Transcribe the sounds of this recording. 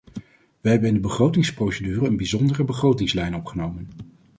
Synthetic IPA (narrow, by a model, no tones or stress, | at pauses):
ʋəɦɛbənɪndəbəχrowtɪŋsprowsedyːrəənbizɔndərəbəχrowtɪŋslɛjnɔpχənowmən